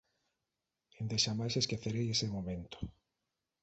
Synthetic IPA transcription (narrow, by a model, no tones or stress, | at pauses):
end̪eʃamajseskeθeɾejesemomẽnt̪o̥